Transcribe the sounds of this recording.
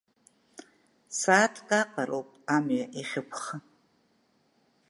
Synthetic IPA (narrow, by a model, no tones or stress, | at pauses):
saːtʰkʼaqʼaɾowpʼamɥaʔiχʲɪpʷʰχa